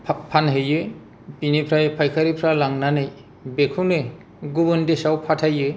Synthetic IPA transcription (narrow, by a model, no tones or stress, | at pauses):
pʰanɦɯjɯ | pinipʰɾajpʰajkʰaɾipʰɾalaŋnanɯj | bekʰunɯ | ɡubɯndesawpʰatʰajːɯ